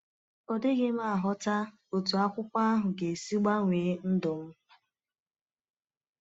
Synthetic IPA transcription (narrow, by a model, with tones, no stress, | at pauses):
ɔ˨dɪ˦ɡɪ˦m̩˦a˨ɦɔ˦ta˦ | o˨tu˨a˦kʷʊ˦kʷa˦a˦ɦʊ˨ɡe˨si˦ɡ͡ba˦ŋʷeː˨˦n̩˦dʊ˨m̩˦